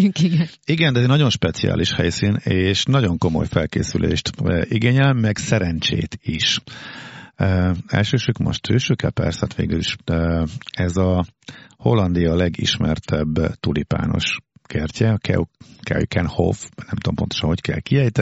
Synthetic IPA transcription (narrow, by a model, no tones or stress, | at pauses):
yŋiɡɛn | iɡɛnd̪ɛɛnɒɟo̞nʃpɛt̪sija̰ːlʔiʃhɛjsiːneːʃnɒɟo̞ŋko̞mo̞̰jfɛlkḛːsylʔḛːʃt̪ːʔiɡeːɲɛlmːɛɡsɛɾɛnt͡ʃḛːt̪iʃ | ɛ̰lʃøːʃøːkmo̰ʃt̪øːʃøːkːɛlpɛ̰rsɛt̪ʋeːɡyliʃøɛzɒ | ho̞lːɒnd̪ijɒlɛɡḭʃmɛrt̪ʰɛbːt̪ulipa̰ːno̞̰ʃkɛrcɛɒkʰɛ̰okɛ̰ikʰɛnho̰fnɛmt̪uompo̞nt̪oʃɒnhockɛ̰lkiɛjt̪ɛ